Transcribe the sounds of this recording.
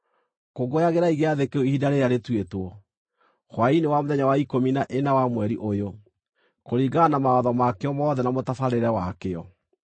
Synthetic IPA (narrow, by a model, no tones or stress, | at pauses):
koɡojaɣeɾaiɣeaðekeoihidaɾejaɾetwetwɔ | ɣwainewamoðɛɲawaikominaʔenawamwɛɾiʔojo | koɾiɡanamaɔðɔmakeɔmɔðɛnamotafaɾeɾɛwakeɔ